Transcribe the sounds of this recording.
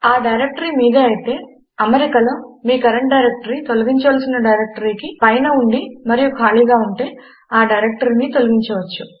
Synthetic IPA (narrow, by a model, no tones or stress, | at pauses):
aːɖɐjɾek̚ʈɐɾiːmiːd̪ɐːjit̪e̞ː | ɐmɐɾikɐlɐmːiːkɐɾɐɳɖɖɐjɾek̚ʈɐɾit̪o̞luɡiɲt͡ʃɐʋaːlsinɐɖɐjɾek̚ʈɐɾiːkipɐjnɐuɳɖimɐɾijukʰaːliːɡaːuɳʈe̞ː | aːɖɐjɾek̚ʈɐɾiniːt̪o̞luɡiɲt͡ʃɐʋɐt͡ʃːu